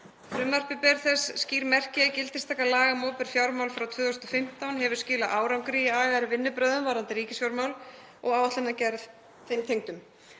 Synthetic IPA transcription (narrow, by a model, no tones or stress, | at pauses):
fɾʏːmar̥pɪpɛɾθɛsːciːɾmɛr̥cɪcɪlt̪ɪ̥st̪ʰakːalaːɣamɔːpɪɾ̥fjawɾmawlfɾawt̪ʰvʏːðʏsnt̪ɔfɪm̥t̪awnɦɛvʏɾ̥scɪːlaʔaːwɾawŋkɾijɪaːɣaɾɪvɪnːʏpɾœːðʏmvaɾant̪ɪɾiːcɪsfjawɾmawl | ɔɣaːwvaht̪lanacɛɾð | θejmt̪ʰejŋt̪ʏm